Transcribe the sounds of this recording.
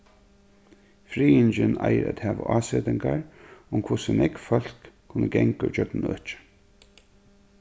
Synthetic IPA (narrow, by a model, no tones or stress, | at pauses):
fɾiːɪnt͡ʃɪna̰jəɾæt̪hæːʋa̰ʔaːseːt̪ɪŋkaɹʊmkʰvʊsənɛkfœl̥kʰː | ʊnːəɡɛŋkʊt͡ʃœknɪnœ̰ːt͡ʃɪ̥